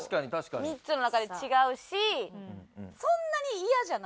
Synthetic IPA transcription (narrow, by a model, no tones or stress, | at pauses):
ɕkaɲit̪aɕi̥kamʲitt͡sɨno̞nakad̪e̞t͡ɕiɡaɯ̟ɕi | sõ̞nːaɲ̟iijaʑan